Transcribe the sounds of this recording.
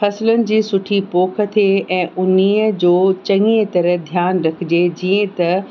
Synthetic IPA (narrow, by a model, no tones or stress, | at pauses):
fɐslʊnɪ̆d͡ʑiːsʊʈʰipoːkʰə̆t̪ʰieɛ̃ːʊniəd͡ʑoːt͡ɕɐ̃ŋet̪ɐɾəɦd̪ʱjaːnɾɐkʰɪd͡ʑed͡ʑiːə̃t̪ɐ